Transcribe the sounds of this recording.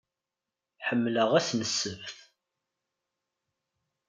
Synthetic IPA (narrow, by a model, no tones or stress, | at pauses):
ħəmːləʁæsnəsːəvθ